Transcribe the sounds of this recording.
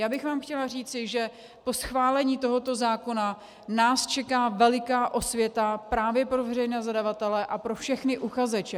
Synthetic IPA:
jaːbɪxvaːmxcɛlariːt͡sɪʒɛ | po̞sxvaːlɛɲiːt̪o̞ɦo̞t̪o̞zaːko̞na | naːst͡ʃɛkaːvɛlɪkaːʔo̞svjɛt̪apɾaːvjɛpɾo̞vɛrɛjnɛːzadavat̪ɛlɛʔapɾo̞fʃɛxnɪʔuxazɛt͡ʃɛ

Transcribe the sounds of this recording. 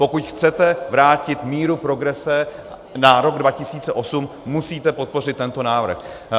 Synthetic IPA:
po̞kucxt͡sɛt̪ɛvɾaːcɪt̪miːɾupɾo̞ɡɾɛsɛ | naɾo̞ɡdvacɪsiːt͡sɛʔo̞sumːusiːt̪ɛpo̞t̪̚po̞r̝ɪt̪ːɛnt̪o̞naːvr̩x

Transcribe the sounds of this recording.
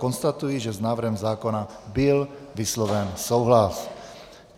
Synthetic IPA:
kɔnst̪at̪ujiʒɛznaːvɾ̩ɦɛmzaːkɔna | bilʋislɔʋɛnsɔwɦlas

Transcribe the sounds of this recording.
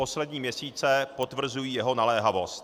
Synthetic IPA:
o̞slɛdɲiːmɲɛsiːt͡sɛpo̞t̪vr̩zujiːjɛɦo̞nalɛːɦavo̞st̪

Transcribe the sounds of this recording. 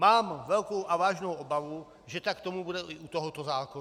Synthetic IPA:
maːmvɛlkowʔavaːʒnowʔobavu | ʒɛt̪akt̪o̞mubudɛʔɪʔut̪oɦot̪ozaːkon

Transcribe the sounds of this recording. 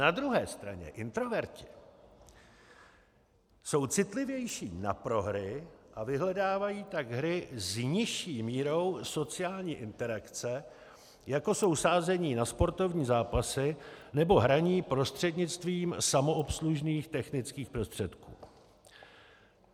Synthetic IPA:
nad̪ɾuɦɛːst̪ɾa̰ɲɛ̰ʔɪnt̪ɾo̞vɛɾcɪ̥ | so̞wt͡sɪt̪lɪvjɛjʃiːna̰pɾo̞ɦɾɪʔavɪɦlɛdaːvajiːt̪aɡɦɾɪzɲɪʃiːmiːɾo̞wso̞t͡sɪaːlɲiːʔɪnt̪ɛɾakt͡sɛ | jako̞so̞wsaːzɛɲiːnaspo̞ɾt̪o̞vɲiːzaːpasɪnɛbo̞ɦɾaɲiːpɾo̞st̪r̝̥ɛdɲɪt͡st̪viːmsamo̞opsluʒniːxt̪ɛxnɪt͡skiːxpɾo̞st̪r̥ɛt̪kṵː

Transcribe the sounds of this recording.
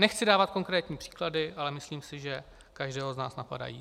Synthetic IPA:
nɛxt͡sɪdaːvat̪ko̞ŋkɾɛːt̪ɲiːpr̝̥i̥ːkladɪʔalɛmɪsliːmsɪʒɛ | kaʒdɛːɦoznaːsnapa̰da̰jḭː

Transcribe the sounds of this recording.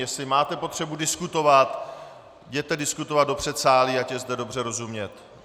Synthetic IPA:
jɛslɪmaːt̪ɛpo̞t̪r̝̥ɛbudɪskut̪o̞vat̪ | jɛt̪ɛdɪskut̪ovad̪do̞pr̝̥ɛt̪saːliacɛzdɛdo̞br̝ɛɾo̞zumɲɛt̪

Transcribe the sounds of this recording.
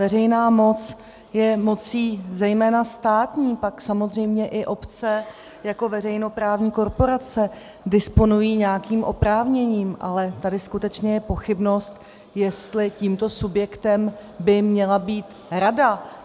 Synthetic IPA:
vɛrɛjnaːmo̞t͡s | jɛmo̞t͡siːzɛjmɛːnast̪aːt̪ɲiːpaksamo̞zr̝ɛjmɲɛʔɪʔo̞pt͡sɛ | jako̞vɛrɛjno̞pɾaːvɲiːko̞ɾpo̞ɾat͡sɛ | dɪspo̞nujiːɲɛakiːmʔo̞pɾaːvɲɛɲiːmʔa̰lɛt̪adɪskut̪ɛt͡ʃɲɛjɛpo̞xɪbno̞st̪ | jɛst̪lɪciːmt̪o̞subjɛkt̪ɛmbɪmɲɛlabiːt̪ | ɾada

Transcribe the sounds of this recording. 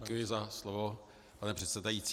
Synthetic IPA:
kujɪzaslovo | panɛpr̝̥ɛt̪sɛdajit͡s

